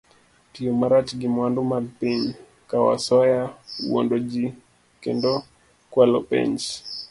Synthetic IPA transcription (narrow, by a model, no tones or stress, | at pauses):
tiomaɾat͡ʃɡimwandumalpiɲ | kawa̰sɔjawɔ̰ndod͡ʒi | kɛ̰ndɔ | kwalɔ̰pɛ̰ɲt͡ʃ